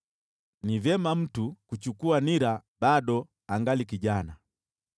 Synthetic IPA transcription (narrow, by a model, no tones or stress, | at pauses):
nivɛmam̩tukut͡ʃukuaniɾabadɔ | aŋɡalikiɟana